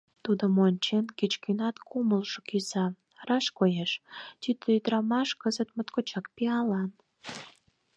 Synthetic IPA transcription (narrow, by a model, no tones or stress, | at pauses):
t̪ud̪əmonʲt͡ɕenkit͡ɕkynɑt̪kʰuməlʃokysɑ | rɑʃkojeʃt̪yt̪əyd̪ɾɑmɑʃkəzət̪mət̪kot͡ɕɑkpiɑlɑn